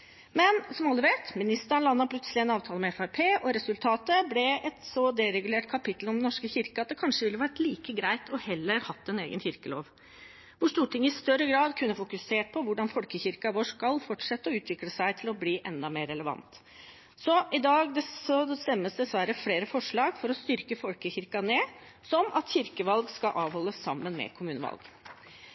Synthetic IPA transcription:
mɛnsɔmɑlːəʋeːt̪mɪnɪst̪əɳlɑnːɑɾpʰlœt̪səlɪɛnɑːʋt̪ʰɑːləmɛɛfæɪpʰeːʔɔɾɛsʉlt̪ʰɑːt̪əblɛɛt̪sɔd̪ɛɾɛɡʉleːʈkʰɑpɪt̪lɔmd̪ɛnɔʂkəçɪɾkəɑt̪̚d̪ɛkʰɑnʂəʋɪlːəʋæɾʈliːkəɡɾæɪt̪ʰɔhɛlːəɾhɑt̪ːɛnḛːɡə̰nçɪɾkəlo̰ːʋ | ʋʊʂt̪uːʈɪŋːəɪst̪œɾəɡɾɑːd̪kʰʉnːəfʊkʉseːʈ̚pʰɔʋʊɖɑnfɔlkəçɪɾkɑʋoʂkɑlfɔʈʂɛt̪ːəɔʉːt̪ʰʋɪkləsæɪt̪ʰɪlɔbliːʔɛnd̪ɑmeːɾːɛləʋɑ̰nt̪ | sɔʔɪd̪ɑːɡd̪ɛɔst̪ɛmːəsd̪ɛsʋæɾəfɽeːɾəfɔʂɭɑːɡfɔɾɔst̪ʏɾkəfɔlkəçɪɾkɑneː | sɔmɑt̪çɪɾkəʋɑlɡskɑʔɑːʋhɔlːəsːɑmːənmɛ̰kʰʊmʉːnəʋɑ̰lɡ

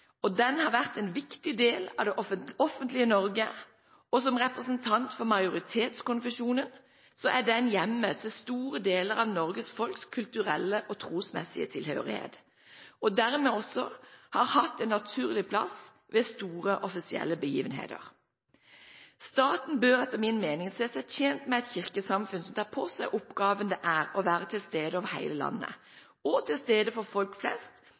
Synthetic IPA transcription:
ɔd̪ɛnhɑʁʋæʁt̪ɛnʋɪkt̪ɪd̪eːlɑ̰ʋd̪ɛʔɔɔfənt̪lɪənɔɾɡə | ɔsɔmʁɛpʁəsənt̪ʰɑnt̪fɔʁmɑɪʊʁɪt̪ʰeːt̪skʊnfəʃuːnən | sɔʔæɖɛnjɛmːət̪ʰɪst̪uːʁəd̪eːləɾɑʋnɔʁɡəsfɔlkskʰʉlt̪ʉʁɛlːəʔɔt̪ʰʁuːsmɛ̰sɪə̰t̪ʰɪlhø̰ːʁɪhḛːt̪ | ɔd̪æʁmeːɔsɔhɑːʁhɑt̪ːɛnːɑt̪ʰʉːʁlɪpʰlɑ̰s | ʋɛst̪uːʁəʔɔfɪsɪɛ̰lːəbəjiːʋənɦḛːd̪ə̰ʁ | st̪ɑːt̪n̩bøːʁɛt̪ːəʁmɪnmeːnɪŋseːsæçeːnt̪mɛɛt̪çɪʁkəsɑmfʉnsɔmt̪ʰɑːpʰoːsæɪʔʊpɡɑːʋənd̪ɛʔæːʁɔʋæːʁət̪ʰɪlst̪eːd̪əɑʋhæ̰ɪləlɑ̰nːə̰ | ɔt̪ʰɪlst̪eːd̪əfɔʁfɔlkflɛ̰st̪

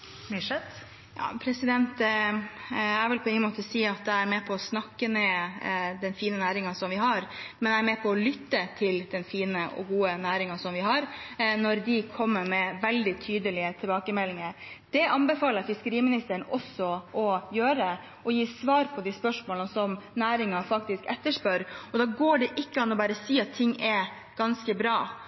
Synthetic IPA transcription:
miʂɛt̪ | jɑ̰ːpʰɾɛsɪd̪ɛnt̪ | æɾʋɛlpʰɔɛŋənmoːt̪əsiːɑt̪̚d̪ɛæɾmɛːpʰɔːsnɑkːəmɛ | d̪ɛnfiːnənæːɾɪŋɑnsɔmʋɪɦɑɾmɛnɛæɾmɛːpʰɔːlʏt̪ːət̪ʰɪld̪ɛnfiːnəʔɔ̰ɡuːənæːɾɪŋɑsɔmʋɪɦɑɾnɔɾd̪ɪkʰɔmːəɾmɛʋɛld̪ɪt̪ʰyːd̪əlɪət̪ʰɛlbɑːkəmɛlːɪŋəɾd̪̥ɛʔɑnbɛfɑːləɾfɪskəɾiːmɪnɪst̪əɾəɳnɔsːɔʔɔjøːɾə | ɔjiːsʋɑːɾpʰɔd̪ispœʂmoːlnəsɔmnæːɾɪŋɑfɑkt̪ɪskɛt̪ːəʂpœɾɔd̪ɑːɡoːɖɛʔɪkːəɑnɔbæːɾəsiːɑt̪ʰːɪŋːʔɛ | ɡ̥ɑnskəbɾɑː

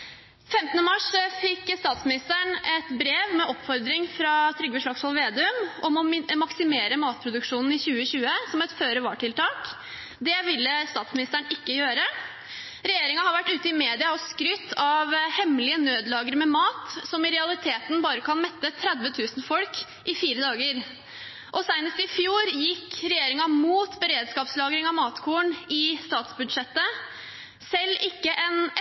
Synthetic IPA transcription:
fɛmt̪nəmɑʂfɪkːst̪ɑːt̪smɪnɪst̪æɳɛt̪bɾeːʋmɛʔɔpfɔɾd̪ɾɪŋfɾɑt̪ʰɾʏɡəʂɭɑksɔlʋeːd̪ɛʉmɔmɔmɪmɑksɪmeːɾəmɑːt̪̚pʰɾʊd̪ʉkʂuːnn̩ɪçʉːəɕʉːəsɔmɛt̪føːɾəʋɑ̰ːʈɪlt̪ʰɑːk | d̪ɛʋɪlːəst̪ɑːt̪smɪnɪst̪æɳɪkːəjøːɾə | ɾɛjeːɾɪŋɑhɑɾʋæʈːʉːt̪əɪmeːd̪ɪɑɔskɾʏt̪ʰːɑʋhɛmlɪənøːd̪lɑːɡəɾmɛmɑːt̪sɔmɪɾɛɑlɪt̪ʰeːt̪n̩bɑːɾəkʰɑnmɛt̪ːət̪ʰɾæd̪ʋət̪ʰʉːsn̩fɔlk | ʔɪfiːɾəd̪ɑːɡəɾ | ʔɔsæɪnəst̪ɪfjuːɾjɪkːɾɛjeːɾɪŋɑmuːt̪bəɾeːd̪skɑːpslɑːɡɾɪŋɑʋmɑːt̪kʰuːəɳɪst̪ɑːt̪sbʉd̪ʂɛt̪ːə | sɛlːɪkːəʔɛn

